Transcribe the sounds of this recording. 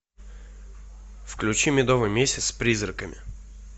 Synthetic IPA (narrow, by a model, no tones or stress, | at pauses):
fklʲʉt͡ɕimʲɪd̪ovɨjmʲesʲɪt̪ssʲpɾʲizrəkəmʲɪ̰